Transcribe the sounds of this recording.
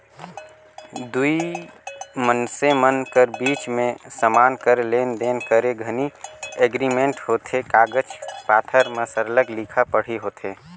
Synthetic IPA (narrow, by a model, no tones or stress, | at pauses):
d̪ui | mənsemənkəɾbiːt͡ʃmẽsəmaːnkəɾlend̪enkəɾeɡʱənieɡɾimeɳʈɦoːt̪ʰekaːɡəd͡ʒpaːt̪ʰəɾməsəɾləklikʰapəɽ̤iɦoːt̪ʰe